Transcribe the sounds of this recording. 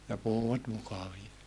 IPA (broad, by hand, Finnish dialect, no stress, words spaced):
jɑ puhuwɑt mukɑʋiɑ